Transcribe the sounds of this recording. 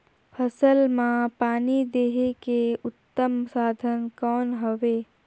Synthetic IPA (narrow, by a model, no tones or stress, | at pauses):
pʰəsəlmãpaːnid̪eːɦekeʊt̪ːəmsaːd̪ʱənkɔːnɦoʋeː